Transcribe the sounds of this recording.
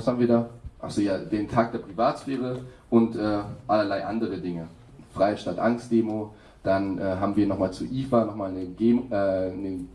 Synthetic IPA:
vashabmviːɐdaːʔa̰lz̥ojaːdeːntʰaːk̚d̥eːɐpʁ̥ivaːtsfeːʁ̞əʔʊntʔɛːʔalɐlaɪʔandəʁədɪŋə | fʁ̥aɪʃtaːtʔa̰ŋstd̥eːmo | d̥anʔɛːɦaːbm̩viːɐnɔχmaːlt͡suʔiːfanɔχmaːlnəɡ̥eːɛːnə

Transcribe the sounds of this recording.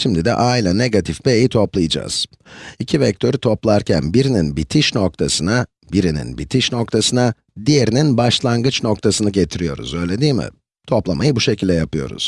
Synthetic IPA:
ʃimd̪id̪ɛ̰ʔajlʲˠaneɡat̪ʰifbejit̪ʰo̞plˠɯjad͡ʒa̰ːz̥ | icʰivɛc̚t̪ʰø̞ɾit̪ʰo̞plˠaɾcʰæ̰nbiɾininbit̪ʰiʃno̞k̚t̪ʰasɯna | biɾinḭnbit̪ʰiʃno̞kt̪ʰasɯna | d̪ije̞ɾininbaʃlˠaŋɡɯt͡ʃno̞k̚t̪ʰasɯnɯɟe̞t̪ʰiɾijo̞̰ɾṵzø̞jlʲe̞d̪iːmɪ̰ | t̪ʰo̞plˠamajɯbuʃe̞cʰilʲd̪ɛjapɯjo̞̰ɾṵz̥

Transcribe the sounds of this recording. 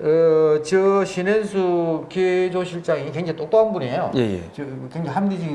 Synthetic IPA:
ʌt͡ɕɯɕʰinensʰukied͡ʑoɕʰiɭt͡ɕ͈aŋikweŋd͡ʑet͈ok̚p͈aɯnbuniejojḛjḛt͡ɕɯkeŋd͡ʑeɦamɡid͡ʑiɡi

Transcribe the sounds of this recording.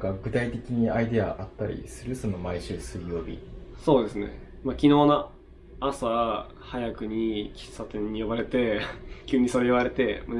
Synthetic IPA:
kaɡɯ̟t̪ait̪e̞kʲiɲ̟iaid̪e̞a̰ʔat̪ːaɾʲḭsɨɾɯ̟so̞no̞maiɕɨːsɨjo̞ːbʲḭso̞ːd̪e̞sɨnḛ | makʲino̞ːnaː | sa | hajakɯ̟ɲ̟ikʲi̥sːat̪ẽ̞ɲ̟ːijobaɾe̞t̪e̞kʲɯːɲ̟ːisoɾejoβaɾe̞t̪e̞m

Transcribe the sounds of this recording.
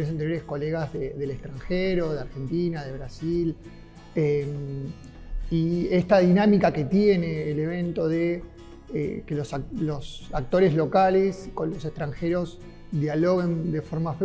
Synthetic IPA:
nes̬ant̪eɾjoɾesko̞leɣazðeðe̞lekst̪ɾaŋxeɾo̞ðeaɾxe̞nt̪inaðe̞βɾasil | em | iest̪aðinamikake̞t̪jene̞ːle̞βe̞nt̪o̞ðe | ḛkelosalo̞sak̚t̪o̞ɾe̞zlo̞kale̞sko̞nlo̞sekt̪ɾaŋxe̞ɾo̞s | d̪jalo̞ɣend̪e̞fo̞ɾmafe

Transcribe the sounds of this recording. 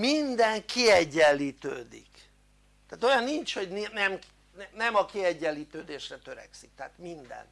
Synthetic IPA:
mind̪ɛŋkiɛɟːɛlːiːt̪ø̰ːd̪ḭk | t̪aːt̪o̞jɒnːint͡ʃho̞ɟninɛm | nnɛmɒkiɛɟːɛlːiːt̪øːd̪eːʃrɛt̪ø̞ɾɛ̰ksik̚t̪ɛɦat̪mind̪ɛ̰n

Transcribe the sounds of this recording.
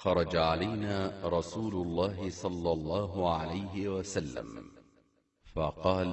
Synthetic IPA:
xɑɾˤɑd͡ʒaʕalajnaːɾˤɑsuːlʊlˤːɑːɦɪsˤɑlːɑlˤːɑːɦʕalajɦɪwasalːa̰m | fɑqɑːl

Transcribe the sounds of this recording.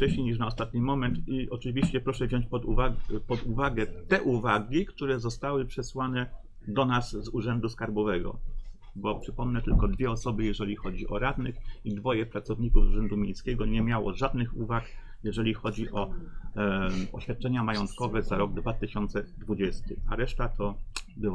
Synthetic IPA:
ft͡ʂɛɕɲejɲiʂ̬naɔst̪at̪ɲimɔmɛnt̪iʔɔt͡ʂɘvʲiɕt͡ɕɛpɾɔʂɛvʑɔɲt͡ɕpɔd̪uvapɔd̪uvaɡɛt̪ɛʔuvaɡʲikt̪uɾɛzɔst̪awɘpʂɛswanɛ | d̪ɔnazzuʐɛnd̪uskaɾbɔvɛɡɔ̰bɔpʂɘpɔmnɛt̪ɘlkɔd̪vʲjɛɔsɔbɘjɛʐɛlʲixɔd͡ʑiʔɔɾad̪nɘxid̪vɔjɛpɾat̪sɔvɲikuvuʐɛnd̪umʲjejskʲɛɡɔɲɛmʲjawɔ̰ʐad̪nɘxuvak | jɛʐɛlʲixɔd͡ʑiʔɔ | ɔɕfʲjat̪̚t͡ʂɛɲamajɔnt̪kɔvɛzaɾɔɡ̚d̪vat̪ɘɕɔnt̪sɛd̪vud͡ʑɛst̪ɘa̰ɾɛʂt̪at̪ʰɔbɘ

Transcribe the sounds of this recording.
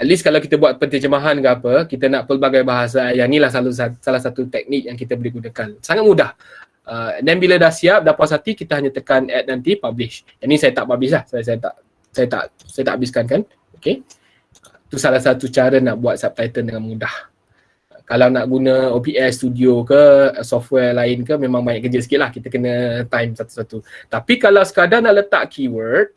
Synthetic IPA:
ɛt̪̚liskalawkit̪əbuat̪̚pərt̪əd͡ʒəmaɦankəapəkit̪ənaʔpəlbaɡajbaɦas̬ajanilahsalasalahsat̪ut̪ɛk̚nik̚jaŋk̬it̪əbolihɡunakansaŋat̪̚mũdah | ʔəəndɛnbilədahsiap̚dapasat̪ikit̪əɦaɲat̪əkanʔɛt̪̚nant̪ipablɪʃjanĩsajat̪aʔbabɪs̬lahsas̬ajat̪a̰ʔ | sajat̪a̰ʔ | sajət̪a̰ʔabɪskank̬an | oke | ət̪usalahsat̪ut͡ʃaɾənaʔbuat̪̚sap̚t̪ajt̪əndəŋanmudah | əkalawnaʔɡunə̃opiɛsst̪udiokəsɔft̪wɛrlaɪnkəmẽmãŋmaɪʔkəd͡ʒəsə̥kɪt̪̚lahkit̪əkənə̃t̪ajmsat̪u̥sat̪ut̪apikalawsə̥kadanaʔlət̪a̰ʔkʰiwərt̪̚

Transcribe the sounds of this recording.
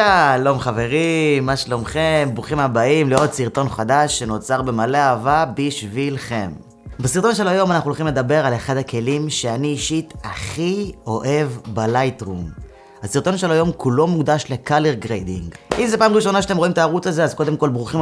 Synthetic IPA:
alo̞mχave̞ʁimaʃlo̞mχembʁuχimabaimleo̞d̪siʁt̪o̞nχad̪aʃːe̞no̞t͡saʁbe̞maleaːvabiʃvilχe̞m | basiʁt̪o̞nʃe̞lajo̞manaχnulχimle̞d̪abe̞ʁaleχad̪hake̞limʃe̞aniːʃit̪aχio̞ʔe̞vbalajtʁum | hasiʁt̪o̞nʃelajo̞mkulo̞muɡd̪aʃle̞kaleʁɡʁejdḭŋɡʔimzepaːmʁiʃo̞naʃat̪emo̞imtaːʁut͡saze̞azko̞de̞mko̞lbʁuχim

